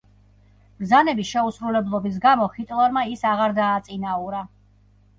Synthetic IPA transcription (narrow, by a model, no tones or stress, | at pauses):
b̥ɾzanɛbiʃɛusɾulɛblˠɔbis̬ɡamɔχit̪ʼlˠaɾmaisaʁaɾd̪aːt̪sʼinauɾa